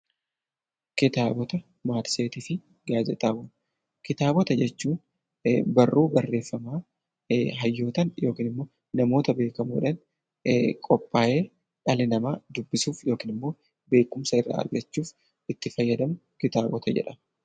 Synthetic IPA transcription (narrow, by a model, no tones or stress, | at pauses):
kɪt̪aːbɔt̪ɐ | maːt̪se̞ːt̪iːfɪ | ɡaːd͡ʒɛt̪ʼaːbʊː | kɪt̪aːbɔt̪ɐd͡ʒɛt͡ʃːuːn | bɐrːuːbɐrːe̞ːfːɐmaː | ɦɐjːo̞ːt̪ɐnjo̞ːkiːnɪmːo̞ː | nɐmo̞ːt̪ɐbe̞ːkɐmṵᶑɐn | kʼɔpʼːaːje̞ː | ᶑɐlɪnɐmaːd̪ʊbːɪsuːfjo̞ːkiːnɪmːo̞ː | be̞ːkʊmsɐɪrːa̰ːɐ̰ɾɡɐt͡ʃːuːf | ɪt̪ːɪfɐjːɐd̪ɐmʊ | kɪt̪aːbɔt̪ʰɐd͡ʒɛ̰ᶑɐ